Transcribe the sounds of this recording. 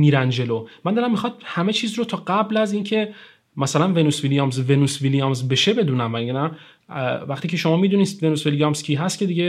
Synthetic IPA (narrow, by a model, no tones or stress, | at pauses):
miːɾænd͡ʒe̞lomænd̪ɒːɾæmːixɒd̪̥̚hæme̞t͡ʃʰiːzɾot̪ʰɒːɡæblæziːncʰe̞ | mæsælænve̞nusvilijɒmzvenuːsvilijɒmzbe̞ʃe̞be̞d̪uːnæmvæjnæ | væχt̪iːcʰe̞ʃo̞mɒːmiːd̪unisve̞nusvilijɒmscʲʰiːɦæst̪̚cʰe̞d̪iɟe